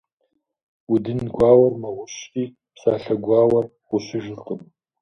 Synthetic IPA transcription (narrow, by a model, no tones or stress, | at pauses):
udɨnɡʷaːwɐrmɐwʊɕtʼiː | psaːɬɐɡʷaːwɐr | qʷʊɕɪʒɨqʼəm